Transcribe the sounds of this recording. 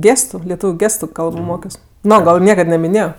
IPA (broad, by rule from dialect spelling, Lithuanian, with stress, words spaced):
ˈɡʲeːstʊ lʲɛˈtuːʋʲʊ ˈɡʲeːstʊ ˈkɐlˠboː ˈmoːkʲoːs ˈnoː ɡɐlˠ ˈnʲiɛkɐt nɐmʲɪˈnʲeːjoː